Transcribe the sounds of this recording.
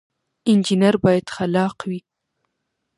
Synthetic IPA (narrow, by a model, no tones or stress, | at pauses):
ɪnd͡ʒinaɾbɑjad̪̥xalɑqwi